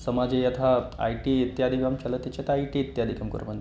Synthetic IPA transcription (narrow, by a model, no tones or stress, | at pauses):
səmad͡zejat̪ʰaa̰iʈiːit̪jad̪ʱikamkʰalət̪it͡ɕjat̪aaiʈiːt̪jad̪ʱikamkə̰ɾmənd̪